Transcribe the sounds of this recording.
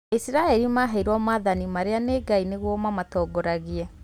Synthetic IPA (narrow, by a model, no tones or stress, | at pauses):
esiɾaɛɾimaɦaiɾwɔmaːðanimaɾeaneɡaineɣwɔmamatɔːɡɔɾaɣiɛ